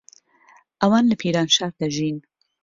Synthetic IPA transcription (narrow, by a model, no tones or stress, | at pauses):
ʔɐwɑːnləpʰiːɾɑːnʃɑːɾd̪aʒin